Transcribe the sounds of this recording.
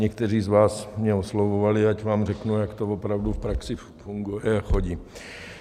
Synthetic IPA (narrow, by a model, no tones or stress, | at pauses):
ɲɛkt̪ɛr̝iːzvaːsmɲɛoslovovalɪacvaːmrɛknujakt̪ovopɾawdufpɾaksɪ | fuŋɡujɛaxoɟiː